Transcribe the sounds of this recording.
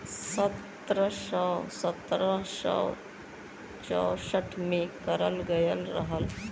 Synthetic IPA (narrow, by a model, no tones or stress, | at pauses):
sət̪ | ɾəʃəsət̪ɾəʃə̰w | t͡ʃɔ̰ːsəʈʰmẽkəɾəlɡəjəlɾə̰ɦəl